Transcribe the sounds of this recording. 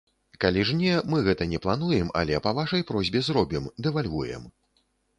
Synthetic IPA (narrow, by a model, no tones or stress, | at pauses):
kalʲiʐnʲɛmɨɣɛt̪ɐnʲɛplˠanujɛma̰lʲɛpɐvaʂɐjpɾɔzʲbʲɛzɾɔbʲimd̪ɛvalʲvujɛ̰m